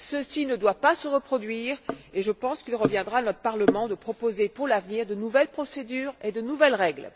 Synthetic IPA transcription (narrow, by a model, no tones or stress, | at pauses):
səsinəd̪wapasəʁəpχɔd̪ɥiːʁeʒəpɑ̃skʲilʁəvjɛ̃d̪ʁanɔt̪χəpaʁləmɑ̃d̪əpχɔpozepuʁlavniʁd̪ənuvɛlpχɔsed̪yːʁed̪ənuvɛlʁɛɡl